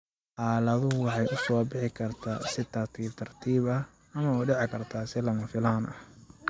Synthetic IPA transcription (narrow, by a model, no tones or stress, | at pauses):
ʔɑːlɐðʊɦʊwɑħɑjʔʊsɔːbɪħɪkʰɐrt̪ʰa̰ːsɪt̪ʰɐrt̪ʰiːb̚t̪ʰɐrt̪ʰiːβɐ | ɐmɐɔːɖɛʕɪkʰɐrt̪ʰaːsɪlɐmɐfɪlaːnɐ̰h